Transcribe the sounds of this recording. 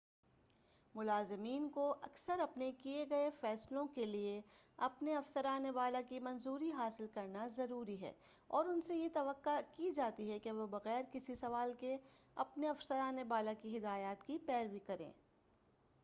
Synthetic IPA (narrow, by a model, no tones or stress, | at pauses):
mʊlaːzɪmiːnkoʔɐksəɾɐpnekieɡɐefɛːslõkelieɐpneɐfsəɾaːneʋaːlakimɐ̃nzuːɾiɦaːsɪlkɐɾnazɐɾuːɾiɦɛ̰ː | ɔːɾʊnsejet̪ɐʋəqːakid͡ʒaːt̪iɦɛkeʋobɐɣɛːɾkɪsisɐʋaːlke | ɐpneɐfsəɾaːnebaːlakiɦɪd̪aːjaːt̪kipɛːɾʋikɐɾḛ̃ː